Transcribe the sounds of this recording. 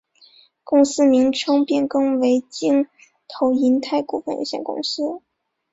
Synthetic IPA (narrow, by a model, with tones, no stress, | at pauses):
kʊ˥˧ŋsɹ̩˥mi˧˥ŋʈ͡ʂʰɤ˥ŋpjɛ˥˩nkɤ˥ŋwe˧˥ɪt͡ɕi˥ŋ | t̪ʰo˧˥ʊi˧˥nt̪ʰa˥˩ɪku˥˩fə˥˧njo̰˨˥˩ɕjɛ̰˥˩nkʊ̰˥˧ŋsɹ̩˥